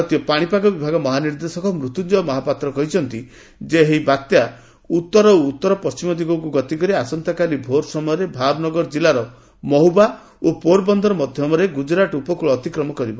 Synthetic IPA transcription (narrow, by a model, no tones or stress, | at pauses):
t̪iɔpaɽ̃ipaɡɔbibʱaɡɔmɔɦaniɾd̪esɔkɔmɾut̪ud͡ʒɔmɔɦapat̪ɾɔkɔɦit͡ʃʰɔnt̪i | d͡ʒeɦeibat̪ja | ut̪ːɔɾɔoːt̪ːɔɾɔpɔst͡ʃimɔd̪iɡɔkuɡɔt̪ikɔɾiasɔnt̪akalibʱoɾsɔmɔjɔɾebʱabnɔɡɔɾd͡ʒilaɾɔ | mɔɦuba | opoɾbɔnd̪ʱɔɾɔmɔd̪ʱjɔmɔɾeɡud͡ʒɾaʈupɔkuɭɔːt̪ikɾɔmɔkɔɾibɔ